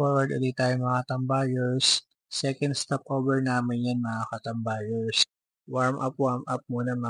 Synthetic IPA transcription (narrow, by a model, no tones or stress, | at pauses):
oɹwɐɹd̪olit̪aːjoŋmɐŋat̪ɐmbajɛɹsː | ɛkɐnd̪st̪ap̚ʔobɛɹnaːmɪnjanmɐŋakɐt̪ɐmbaːjɛɹs | waɹmʔɐpwaɹmʔɐp̚muːnɐmɐ